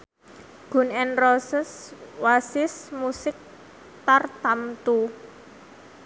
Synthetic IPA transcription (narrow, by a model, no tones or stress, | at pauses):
ɡ̥ṳnɛnrosəswasɪsmusɪk̚ | t̪art̪amt̪u